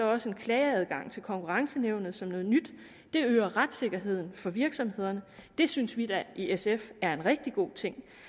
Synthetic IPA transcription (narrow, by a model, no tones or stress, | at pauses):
sɒ̽ɒ̽səe̝nkʰlɛːɪæð̞ˠɡ̥ɑ̈ŋ̰t͡sʰe̝lkʰɒ̽ŋkʰuʁɑ̈ŋsəneʊ̰nð̞̩ˠsɒ̽mnɔ̽ːð̩ˠnyd̥ː | e̝øːɐʁad̥se̝ɡ̥ɐɦe̝ð̞̰ˠn̩fɒ̽ʋiɐɡ̥sɒ̽mhe̝ð̞̰ˠɐnəd̥e̝synsʋid̥æʔiesefæɐe̝nʁɛɡ̥̚d̥iɡ̥o̝̰ːt͡sʰe̝ŋ̰